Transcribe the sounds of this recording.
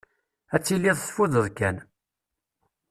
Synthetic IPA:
æt͡sːilːiðˤsfuðəðkæn

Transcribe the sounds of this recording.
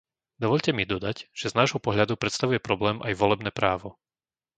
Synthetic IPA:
d̪ɔʋɔʎcɛmid̪ɔd̪acʒ̥ɛznaːʒɦɔpɔɦʎad̪upɾɛt̪st̪aʋujɛpɾɔblɛːmʔajʋɔlɛbnɛːpɾaːʋɔ

